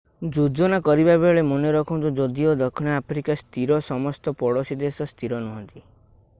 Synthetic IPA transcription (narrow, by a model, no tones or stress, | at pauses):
d͡ʒud͡ʒonakɔɾibabeɭemɔneɾɔkʰɔnt̪ud͡ʒɔd̪iod̪ɔkʰɔñaapʰɾikast̪iɾɔsɔmɔst̪ɔpɔɽosid̪esɔst̪ʰiɾɔnɔɦɔnt̪i